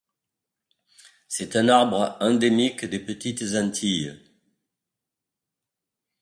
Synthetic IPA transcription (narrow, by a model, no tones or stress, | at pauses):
sɛt̪ɛ̃naʁbʁəɛ̃d̪emikd̪epət̪it̪zɑ̃nt̪ʰij